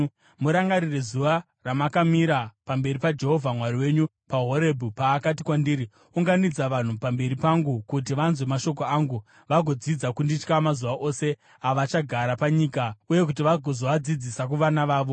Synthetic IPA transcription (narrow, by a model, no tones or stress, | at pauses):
muɾaŋɡaɾirezuʋa | ramakamiɾapambe̞ɾipad͡ʒe̞ɦo̞vʱamwariwe̞ːɲu | paɦo̞ɾe̞bʱupaːkatikwandiːri | uŋɡanid͡zaʋan̤upambe̞ɾipaŋɡukut̬iʋanzwe̞maʃo̞k̬o̞aːŋɡu | ʋaɡʱo̞d͡zid͡zakundit͡ʃkamazuʋaʔo̞se̞ | aʋat͡ʃaɡʱaɾapaɲikauje̞k̬ut̬iʋaɡʱozoʋad͡zid͡zisak̬uʋanaʋaːʋo̞